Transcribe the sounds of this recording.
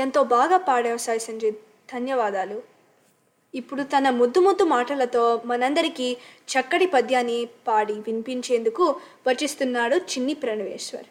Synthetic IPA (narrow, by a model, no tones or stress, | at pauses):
ent̪o̞ːbaːɡaːpaːɽɛʋɐsaːjisɐɲd͡ʒeː | d̪̥ʱɐnjɐʋaːd̪aːlu | ipːuɽut̪ɐnɐmud̪ːumud̪ːumaːʈɐlɐt̪o̞ːmɐnɐnd̪ɐɾikit͡ʃɐkːɐɽipɐd̪ʱjaːnːipaːɽiʋimpiɲt͡ʃe̞ːnd̪ukuʋɐt͡ʃːist̪unːaːɽut͡ʃinːipɾɐniʋɛ̰ːʂʋɐ̰ɾ